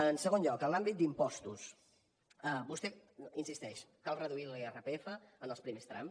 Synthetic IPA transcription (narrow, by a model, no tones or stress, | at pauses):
ənsəɣ̞onʎɔkənlambit̪̚d̪impɔst̪ṵs | əbust̪ɛinsist̪ɛʃkalˠrəðuilerəpeefəːnəlˠspɾimest̪ɾa̰m